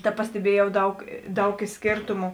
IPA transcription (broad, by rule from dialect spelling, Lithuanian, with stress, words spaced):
tɐ pɐsʲtʲɛˈbʲiɛjɛʊ ˈdɐʊk ˈdɐʊk ˈiː ˈsʲkʲeːrtʊmʊ